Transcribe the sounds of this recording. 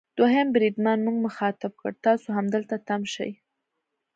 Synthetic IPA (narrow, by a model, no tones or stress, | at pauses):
d̪̥oɦembɾid̪mɑnmuɡməxɑt̪ɪb̚kə̰ɽt̪ɑsoɦamd̪əlt̪at̪amʃa̰j